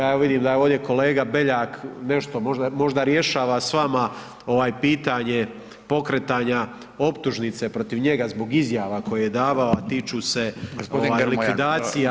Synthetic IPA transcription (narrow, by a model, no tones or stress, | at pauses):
jaːeaʋid̪iːmd̪ajeoːʋd̪je̞ko̞le̞ːɡabe̞ʎaːkne̞ʃt̪o̞mo̞ʒd̪amo̞ʒd̪aɾje̞ʃaːʋasʋama | o̞ʋaːjpiːt̪aɲe̞ | po̞kɾet̪aɲa | o̞pt̪uʒnit̪se̞pɾo̞t̪iʋɲe̞ɡazbo̞ɡizjaːʋako̞jije̞d̪aːʋao̞at̪iːt͡ʃuːse̞ɡosoʋaːlikʋid̪aːsija